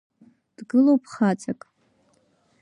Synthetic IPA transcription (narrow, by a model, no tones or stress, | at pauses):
d̥ɡɨlowpʰχat͡sʰakʼ